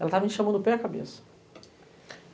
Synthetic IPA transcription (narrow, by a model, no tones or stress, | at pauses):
ɛlɐt̪avɐĩʃɐ̃mɐ̃nd̪ʊpɛakabḛsɐ̥